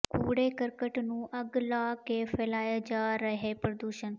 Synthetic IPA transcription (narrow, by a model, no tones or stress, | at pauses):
kʰuːɽekəɾkəʈnũːʔəɡlaːkefɛːlaːjad͡ʒaɾəɦepɾəd̪uːʃən